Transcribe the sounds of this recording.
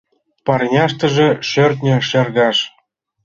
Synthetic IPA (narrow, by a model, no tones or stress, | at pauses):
pɑrnʲɑʃt̪ɤ̆ʒĕʃørt̪nʲɘ̆ʃerɣɑʃ